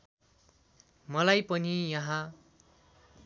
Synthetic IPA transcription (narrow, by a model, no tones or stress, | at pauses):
mʌlajpʌnijʌɦã